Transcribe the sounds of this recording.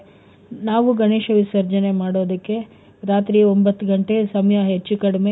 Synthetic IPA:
naːʋuɡɐneːʃɐʋisɐɾd͡ʒɐne̞maːɽoːd̪ɐkːe̞ | ɾaːt̪ɾiombɐt̪ːuɡɐɳʈe̞sɐmɐjɐɦet͡ʃːukɐɽɐme

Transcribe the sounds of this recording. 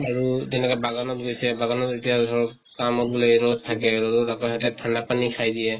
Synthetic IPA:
aɹutɛnɛkabaɡɔnɔtɡojsɛbaɡɔnɔtitijasɔɹ | kamɔt̚bɔloɹɔztʰakɛɹɔzɔtakɔhatɛtʰandapanikʰajdijɛ

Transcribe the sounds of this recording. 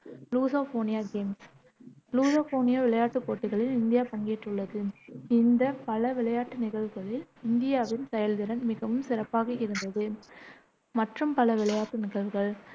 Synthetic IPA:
luːsaːfoːnɪjaːɡeːms | luːsoːfoːnɪjaːʋɪɭɐjaːʈːɯpːoːʈːɯɣɐɭɪlɪnd̪ɪjaːpɐŋɡeːʈrɯɭːɐðɯɪnd̪ɐpɐlɐʋɪɭɐjaːʈːɯnɪɣɐɭʋɯɣɐɭɪlɪnd̪ɪjaːʋɪnsɛjɐlðɪɾɐnmɪɣɐʋɯmsɪɾɐpːaːɣɐɪɾɯnd̪ɐðɯ | mɐʈrɯmpɐlɐʋɪlɐjaːʈːɯnɪɣɐɭʋɯɣɐɭ

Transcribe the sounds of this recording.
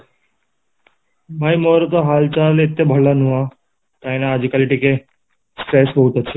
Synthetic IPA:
bʱaimoːɾət̪oɦalt͡ɕalet̪ːebʱəɭːanuʋã | t̪aĩnaːd͡ʑikaliʈike | sʈɾesbəɦut̪əʃʰe

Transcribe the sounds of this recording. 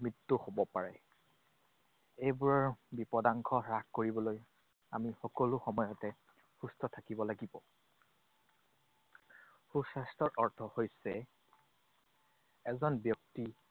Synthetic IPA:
mɹitːuhobɔpaɹɛ | ejbuɹɔɹbipɔdaŋkʰɔɹakkoɹibɔloj | amixɔkɔlʊxɔmɔjɔtɛ | xustʰɔtʰakibɔlaɡibɔ | xusastɔɹʔɔɹtʰɔhojsɛ | ɛzɔnbjɔk̚ti

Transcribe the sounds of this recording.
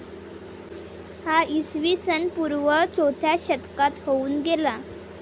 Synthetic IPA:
haisʋisənpuɾʋət͡sot̪ʰjaɕət̪kat̪houːnɡela

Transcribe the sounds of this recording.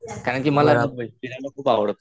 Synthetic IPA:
kaɾəɳkiːməlaəəd̪inalakʰuːpaʋəɽt̪

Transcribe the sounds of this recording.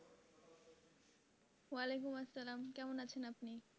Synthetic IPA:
walekumɐsːɐlaːmkɛmonat͡ɕʰenapni

